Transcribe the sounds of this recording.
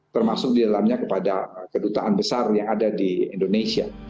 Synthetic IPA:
t̪ərmasʊk̚didalamɲakəpadakədut̪aʔanbəsarjaŋadadiindonesia̰

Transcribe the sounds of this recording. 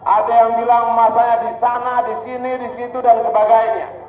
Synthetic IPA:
ʔadajaŋbilaŋmasaɲadisanadisinidisit̪udansəbaɡajɲa̰

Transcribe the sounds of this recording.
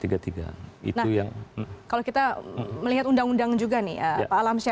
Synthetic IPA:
t̪iɡat̪iɡa̰ḭtnahujaŋkalowkit̪aməliɦat̪undaŋundaŋd͡ʒuɡanɪ̰həpaːlamsia

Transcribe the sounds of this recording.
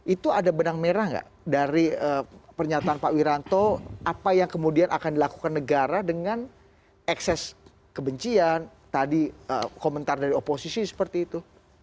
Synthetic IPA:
ʔit̪uadabənaŋmeɾahŋɡa̰ʔ | daɾiəpərɲat̪aːnpaʔwiɾant̪oʔapajaŋkəmudianʔakandilaku̥kanːəɡaɾadəŋan | ɛksɛs | kəbəɲt͡ʃian | t̪adiə̰komənt̪ardaɾioposisisə̥pərt̪iːt̪u

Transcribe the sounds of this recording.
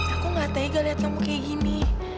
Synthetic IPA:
akuŋat̪aiɡaliat̪amukeɡini

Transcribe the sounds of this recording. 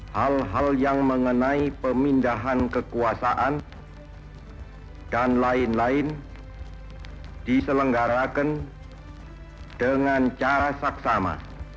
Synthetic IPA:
halɦaljaŋməŋənaipəmindaɦankəkuasaʔan | d̥anlaɪnlaɪn | d̥isələŋɡaɾakən | d̥əŋant͡ʃaɾasaksama̰

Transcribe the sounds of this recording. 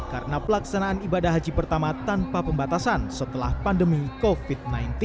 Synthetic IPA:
kaɾənapəlaksanaːnibadahɦad͡ʒipərt̪amat̪anpapəmbat̪asansət̪əla̰hpandəmikofid̪̚najnt̪i

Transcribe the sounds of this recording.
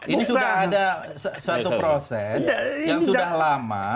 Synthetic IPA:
inisudahada | ssəat̪upɾosɛsjaŋsuddahlama̰

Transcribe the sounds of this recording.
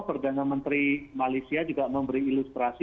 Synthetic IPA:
pərdanamənt̪ɾimalajsiad͡ʒuɡaʔməmbəɾiːlust̪ɾasi

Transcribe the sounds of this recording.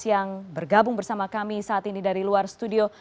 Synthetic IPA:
ijaŋbərɡabʊŋbərsamakamisaːt̪inidaɾiluarst̪udio

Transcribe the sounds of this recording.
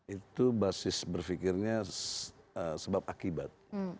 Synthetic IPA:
it̪ubasɪsbərfikɪrɲasəsəbap̚akibat̪̚

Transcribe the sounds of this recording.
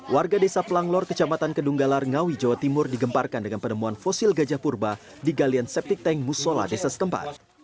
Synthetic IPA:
wʔarɡadesaplaŋlɔrkət͡ʃamat̪ankəduŋɡalarŋawid͡ʒawat̪imʊrdiɡəmparkandəŋanpənəmuanfɔsilɡad͡ʒahpurba | diɡaliansɛp̚t̪ik̚t̪ɛŋmusola̰desasə̥t̪əmpa̰t̪̚

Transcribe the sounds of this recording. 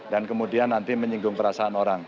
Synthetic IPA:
dankəmudianːant̪iməɲiŋɡʊŋpəɾasaːnoɾaŋ

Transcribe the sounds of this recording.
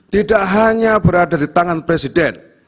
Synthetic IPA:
t̪idaʔɦaɲabəɾadadit̪aŋanpɾesidɛn

